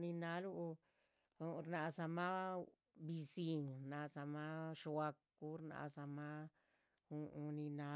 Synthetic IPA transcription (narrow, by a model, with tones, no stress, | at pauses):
ni˧na˧˦lu˦˧ | ɾna˧˨˧sa˧ma˦ | bi˧si˧ŋɾna˧sa˧ma˦ʂwa˧kː | u˦ɾna̰˧sa˧ma˦ | u˧ni˧na˧˦